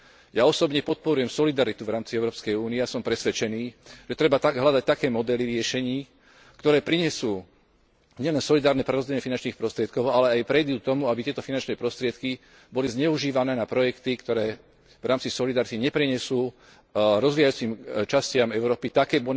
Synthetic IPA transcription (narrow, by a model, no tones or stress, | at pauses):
jaɔsɔbɲɛpɔt̪̚pɔɾujɛmsɔlid̪aɾit̪uvɾaːmt͡siɛʊɾɔːpskɛjuːniɛasɔmpɾɛsʋɛt͡ʃɛniːʒɛt̪ɾɛbat̪aɦlad̪ac̚t̪akɛːmɔd̪ɛliɾɪɛʃɛɲiː | kt̪ɔɾɛːpɾiɲɛsuː | ɲɛlɛnsɔlid̪aːɾnɛpɾɛɾɔzd͡ʑɛɲɛfinant͡ʃniːxpɾɔst̪ɾɪɛt̪kɔʊalɛajpɾɛjd̪uːk̚t̪ɔmuabit̪ɪɛt̪ɔfinant͡ʃnɛpɾɔst̪ɾɪɛt̪ki | bɔlizɲɛuʒiːʋanɛːnapɾɔjɛkt̪ikt̪ɔɾɛː | vɾaːmt͡sisɔlid̪aɾit̪iɲɛpɾiɲɛsuː | ɾɔzʋiːjajuːt͡simt͡ʃascɪamɛʊɾɔːpit̪akɛːbɔ